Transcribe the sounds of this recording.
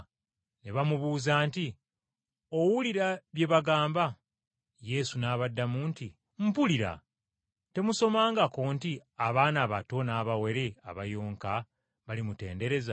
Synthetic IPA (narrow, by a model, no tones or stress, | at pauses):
neβamuβuːzaːnti | o̞wuliɾaβje̞βaɡaːmba | je̞sunaːβadːamuːnti | m̩puliɾa̰ | te̞muso̞maːŋɡakoːntiaβaːnaːβato̞naːβawe̞ɾe̞a̰βajoːŋka | βalimute̞̰ːnde̞ɾe̞za